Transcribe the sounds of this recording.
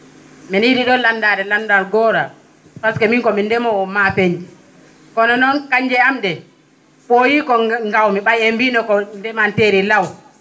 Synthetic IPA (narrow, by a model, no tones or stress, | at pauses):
mɛnjiɗiɗɔlandaːɾɛlandaɾɡɔːɾa | faskɛmiŋkɔmindɛmɔmapeɲd͡ʒi | kɔnɔnɔnkaɲd͡ʒɛamɗɛ | ɓojikɔŋɡawmiɓajembinɔkɔndɛmanteɾilaw